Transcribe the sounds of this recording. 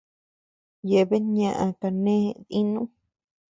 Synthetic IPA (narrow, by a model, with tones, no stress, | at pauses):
je˨βe˦ɲã˧ʔã˧ka˧nẽ˦˧ði˦nũ˦